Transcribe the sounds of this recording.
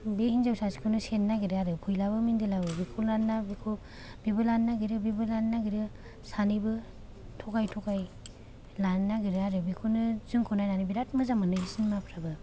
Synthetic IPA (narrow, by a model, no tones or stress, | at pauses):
beɦinzawsasi̥kʰɯnɯsenːaɡiɾɯaɾɯpʰujlaβɯmindilabɯbikʰunanːabikʰo | bibɯlanːaɡiɾɯbibɯlanːaɡiɾɯ | sanibɯ | tʰɔkajtʰɔkaj | lannːaɡiɾɯaɾɯbikʰunɯzɯŋkʰonajnanibiɾat̚mɯzamanɯbisɯnmapʰɾabɯ